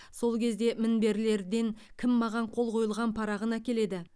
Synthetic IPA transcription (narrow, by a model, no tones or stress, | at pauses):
so̞lˠkʲʰe̞zd̪e̞mɪnbe̞ɾle̞ɾd̪e̞ŋ | kʲʰɪmːɑʁɑɴqʰo̞lˠqʰo̞jəlˠʁɑnpʰɑɾɑʁənækʲe̞le̞d̪ɪ